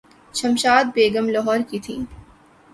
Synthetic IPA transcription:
ʃʰɐmʃaːd̪̚beːɡəmlɔɦɔːɾkit̪ʰiː

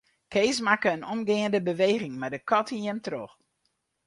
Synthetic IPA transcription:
kʰeːsmakəənɔmɡɪəndəbəʋejɣɪŋmadəkʰɔtʰinjɛmtrox

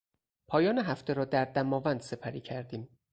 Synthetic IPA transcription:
pʰɒːjɒːneɦæft̪ʰe̞ɾɒːd̪æɾd̪æmɒːvænd̪̥se̞pʰæɾiːcʰæɾd̪iːm

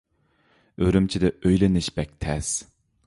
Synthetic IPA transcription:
øɾymt͡ʃʰid̪ɛʔøjlɪnɪʃbɛk̚ʲt̪ʰɛs

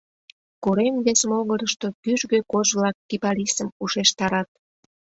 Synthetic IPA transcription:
koɾemβesəmoɣəɾəʃt̪okyʒɣøkoʒβlɑkːipɑlisəmuʃeʃt̪ɑɾɑt̪̚

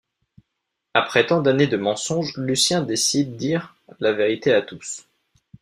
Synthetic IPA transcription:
apχɛt̪ɑ̃d̪aned̪əmɑ̃sɔ̃ʒlysjɛ̃d̪esid̪ːiʁ | laveʁit̪eat̪us

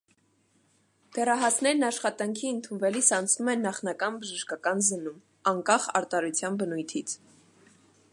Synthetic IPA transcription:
d̪̥ɛrɑɦɑsnɛɾnɑʃχɑt̪ɑŋkʰiənt̪ʰunvɛlisɑnt͡sʰnumɛnːɑχnɑkɑnbəʒəʃkɑkɑnzənum | ɑŋkɑχɑ̰ɾt̪ɑɾut͡sʰjɑnbənujt̪ʰit͡sʰ

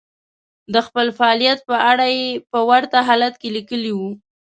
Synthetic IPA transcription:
d̪əxpəlfaɑlijat̪̚pəʔaɽajepəwaɾt̪aɦalat̪kelikəliwu

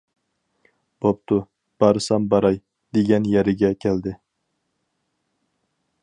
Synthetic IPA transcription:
b̥op̚t̪ʰʊ | b̥ɑɾɨsɑmbɑɾɑj | d̪eɡʲɛnjɛɾɪɡʲɛkʲʰɛld̪ɪ

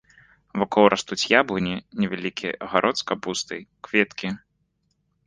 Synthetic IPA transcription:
vakɔwɾʔast̪ut͡sʲjablɨnʲinʲɛvʲalʲikʲiʔɐɣaɾʔɔt̪skɐbust̪ɨjkvʲɛt̪kʲi

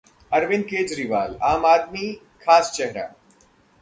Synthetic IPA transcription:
ɐɾʋɪnkeːd͡ʒɾiʋaːlaːmaːd̪̚mi | kʰaːst͡ʃɛɦɾa̰ː

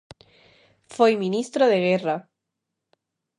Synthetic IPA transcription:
fejmĩnist̪ɾoðeɣera

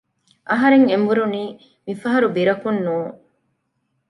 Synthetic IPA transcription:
ʔɐɦɐɾeŋembuɾuniː | mifɐɦɐɾubiɾɐkunːuːŋ

